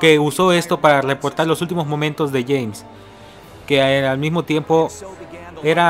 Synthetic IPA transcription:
ke̞uso̞e̞st̪o̞paɾarepo̞ɾt̪aɾlo̞sult̪̬imo̞zmomẽnt̪o̞zðe̞ʝejms | kealmizmo̞t̪je̞mpo̞ | e̞ɾa

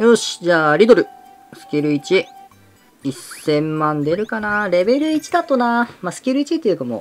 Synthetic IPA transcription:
joɕi̥d͡ʑaːɾʲid̪o̞ɾɯ̟ | sɨ̥kʲiɾɯ̟it͡ɕi | isẽ̞mːãnd̪e̞ɾɯ̟kanaɾe̞be̞ɾɯ̟it͡ɕid̪at̪ːonaːmasɨ̥kʲiɾɯ̟it͡ɕit̪ːejɯ̟kamo̰

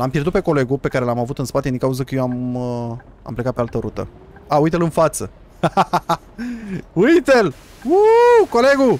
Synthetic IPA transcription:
lampjeɾrd̪ut̪peko̞le̞ɡupe̞kaɾe̞lamavut̪ɨnspat̪ed̪iŋkauzəkəjeam | a̰mplekat̪pealt̪əɾut̪ə̰ | aujt̪elɨnfat̪sə | ujt̪el | ukole̞ɡu

